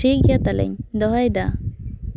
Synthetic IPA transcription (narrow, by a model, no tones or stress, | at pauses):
iɡijat̪alɛ̰ɲd̪ɔɦajd̪a